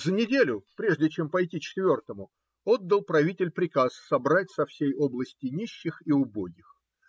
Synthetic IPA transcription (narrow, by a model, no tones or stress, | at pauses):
zənʲɪdʲelʲʊpɾʲe̞ʐdʲɪt͡ɕe̞mpɐjtʲit͡ɕɪ̥t̪vʲo̞rt̪əmʊ | od̪ːəlˠpɾɐvʲitʲɪlʲpɾʲɪkasːɐbɾatʲsɐfsʲejoblˠəsʲtʲɪnʲiɕːɪxiʊboɡʲɪx